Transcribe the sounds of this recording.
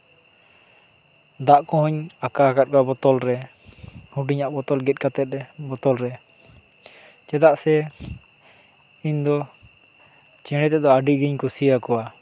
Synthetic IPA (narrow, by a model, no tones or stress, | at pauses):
d̪aʔkɔ̃ɦɔɲakaakat̪̚kɔabɔt̪ɔlɾɛ | huɖiɲaʔbɔt̪ɔlɡɛt̪̚ˀkat̪ɛt̪̚ɾɛbɔt̪ɔlɾɛ | t͡ʃɛd̪aʔsɛ | iɲd̪ɔ | t͡ʃɛ̃ɽ̃ɛt̪ɛʔd̪ɔaɖiɡiɲkusijakɔwa